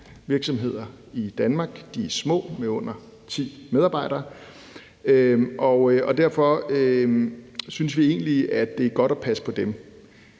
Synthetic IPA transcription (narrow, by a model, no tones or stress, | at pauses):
ʋiɐɡ̥sɒ̽mɦe̝ð̞̰ˠɐ | id̥ænmɑ̈ːɡ̥d̥iæsmɔ̰̽ːmeɔ̽n̰ɐ | t͡sʰḭːmeð̞ˠɑbɑ̈ɪ̰ɾ̥ɐː | øʔɒ̽ɒ̽d̥æɐ̰fɒ̽ø | synsʋie̝̰ːnliæd̥e̝æɐɡ̥ɒ̽ɾ̥ɒpʰæsə̥pʰɒ̽d̥em